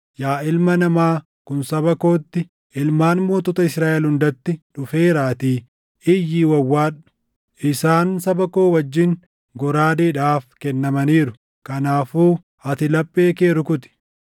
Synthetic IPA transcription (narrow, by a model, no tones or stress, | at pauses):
jaːɪlmɐnɐmaː | kʊnsɐbɐko̞ːt̪ːɪ | ɪlmaːnmoːt̪ɔːt̪ɐɪsɾaːʔɛlhʊnd̪ɐt̪ːɪᶑʊfeːɾaːt̪iː | ɪjːiːwɐwːaːᶑʊ̥ | ʔɪsaːnsɐbɐko̞ːwɐd͡ʒːɪŋ | ɡɔɾaːd̪iːᶑaːfkɛnːɐmɐniːɾʊ | kɐnaːfuː | ɐt̪ɪlɐpʼːe̞ːkeːɾʊkʊt̪ɪ̥